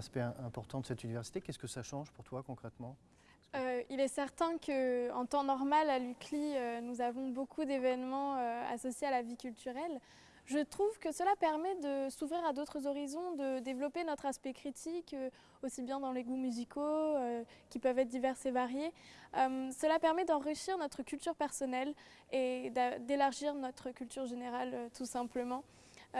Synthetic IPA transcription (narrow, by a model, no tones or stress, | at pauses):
aspɛɛ̃ʔɛ̃pɔʁt̪ɑ̃d̪əsɛt̪ynivɛʁsi̥t̪ekʲɛskəsaʃɑ̃ʒpuʁt̪wakɔ̃kχɛt̪mɑ̃ | øilɛsɛʁt̪ɛ̃kəɑ̰̃t̪ɑ̃nɔʁmalalykliønuzavɔ̃bokʰud̪evɛnmɑ̃øa̰sɔsjealavikʲylt̪yʁɛl | ʒət̪χuvkəsəlapɛʁmɛd̪əsuvʁiʁad̪ot̪χəzɔʁizɔ̃d̪əd̪evlɔpenɔt̪χaspɛkχit̪ʰikø | osibjɛ̃d̪ɑ̃leɡumyzikʰoøkʲipœvɛt̪χd̪ivɛʁsevaʁjeømsəlapɛʁmɛd̪ɑ̃ʁiʃiʁnɔt̪χəkʲylt̪yʁpɛʁsɔnɛl | ed̪ad̪elaʁʒiʁnɔt̪χəkʲylt̪yʁʒeneʁaløt̪ʰusɛ̃pləmɑ̃